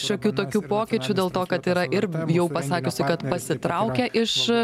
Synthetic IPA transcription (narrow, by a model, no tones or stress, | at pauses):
ʃoːkʲuːt̪oːkʲuːpoːkʲɪt͡ʃʲʊd̪ʲeːlˠt̪oːkɐt̪iːɾɐʔɪrjɛʊpɐsɑːkʲʊsʲɪkɐt̪pɐsʲɪt̪ɾɐʊkʲɛʔɪʃ